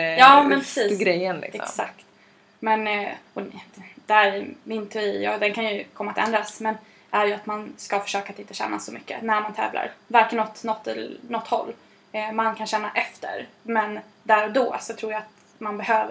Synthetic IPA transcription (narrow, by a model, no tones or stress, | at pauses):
jɑːmɛnpʰɾɛsiːɡɾɛjːənlɪ̰kɛɔ̰sakt̪ | mɛnɔd̪̥ɛæɾmɪnt̪ʰɛijɑ̰ːɡd̪ɛnkʰanjɵkʰɔmːat̪ɛ̰nd̪ɾasmɛn | ʔæɾjɵat̪manskafœ̥ʂøːkat̪ɪnt̪əɕɛ̰ːna̰sɔmʏkːə̰næɾmant̪ʰɛ̰ːvlʔa̰ɾvaɾkənːɔt̪ːnɔt̪ʰːɛnɔt̪ːhɔ̰lː | mankʰanɕɛnːaʔɛft̪ə̰ɾmɛn | d̪æɾɔd̪ɔːsɔt̪ʰɾuːɾjaat̪ | manbɛhøːvəɾ